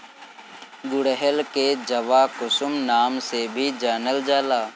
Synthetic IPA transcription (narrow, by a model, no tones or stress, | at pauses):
ɡʊɽəɦəlked͡ʒɐʋakʊsʊmnaːmsebʱid͡ʒaːnəld͡ʒaːlaː